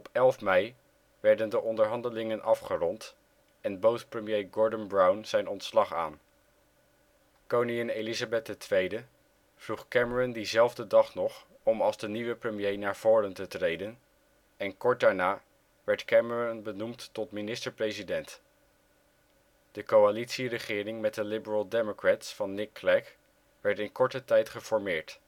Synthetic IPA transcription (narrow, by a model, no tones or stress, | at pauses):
ɔpɛlˠfmɛj | ʋɛɹdəndəʔɔndəɹɦɑndəlɪŋənʔɑfχərɔnt | ɛnbowtprəmjejɡɔɹdənbrawnz̥ɛjnɔntslɑχa̰ːn | kowniɛnejlizabɛt̚dətʋejdə | v̥ruχkɛməɹɔndizɛlˠvdədɑχnɔχ | ɔmɑlˠzdəniʋəprəmjejnaːɹv̥ʊːɾəntətrejdən | ɛnkɔɹt̚daːɹnaː | ʋɛɹtkɛməɹɔnbənumtːɔtminɪstəɹprejzidɛnt | d̥əkowalitsirəχɪːrɪŋmɛt̚dəlɪbəɹəlˠdɛmokratsfɑnːɪkːlɛk | ʋɛɹtɪnkɔɹtətɛjtχəv̥ɔɹmɪːɹt